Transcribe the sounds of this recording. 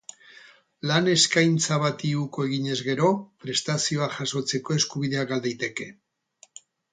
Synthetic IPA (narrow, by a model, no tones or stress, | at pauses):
lane̞skajnt͡saβat̪iuko̞e̞ɣ̞iɲe̞zɣe̞ɾo̞pɾe̞st̪asio̞aʝaso̞t͡se̞ko̞e̞skuβiðe̞aɡald̪ejt̪e̞ke̞